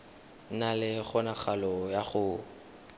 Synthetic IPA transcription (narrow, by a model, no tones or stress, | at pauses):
nalɪχʊnaχalɔjaχʊ